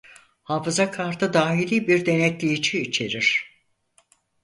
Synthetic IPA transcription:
haːfɯzakʰaɾt̪ʰɯd̪aːɦilʲibiɾd̪e̞nɛt̪ʲlʲijit͡ʃʰiːt͡ʃʰe̞ɾiɾ̥

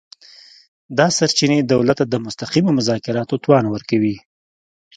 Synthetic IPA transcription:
d̪ɑsaɾt͡ʃined̪awlat̪ːad̪əmʊst̪aqimomʊzɑkɪɾɑt̪ot̪wɑnwəɾkawi

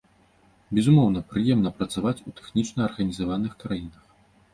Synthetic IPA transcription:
bʲɛzumɔwnɐpɾɨjɛmnɐpɾɐt̪savat͡sʲut̪ɛ̥xnʲit͡ʂnɐːrɣɐnʲizavanɨxkɾajinɐx

